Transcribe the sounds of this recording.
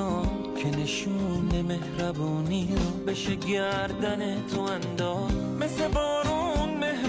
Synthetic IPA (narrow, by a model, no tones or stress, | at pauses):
ɔː | kʲʰeneʃuːneme̞hɾæbɔːnijobeʃeɡæɾd̪ænet̪ʰoænd̪ɒːz | meslebɔːɾunmeh